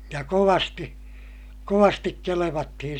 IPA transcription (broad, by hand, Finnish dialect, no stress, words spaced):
jɑ koʋɑsti koʋɑstik keleʋɑtːihin̞